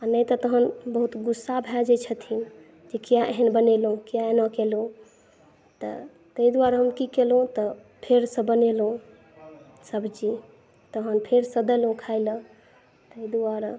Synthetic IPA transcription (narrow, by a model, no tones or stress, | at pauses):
anəjt̪ɔt̪əɦənbəɦut̪ɡusːabʱɛd͡ʒet͡ʃʰət̪ʰin | d͡ʒekijaʔeɦənbənelɦũkijaenɔkelɦũ | t̪ɔ̰ | t̪əid̪waɾɦəmkikelɦũt̪ɔ | pʰeɾsə̃bənelũ | səbd͡ʒi | t̪əɦənpʰeɾsə̃d̪əlɦũkʰaɪlə̃ | t̪əid̪uaɾ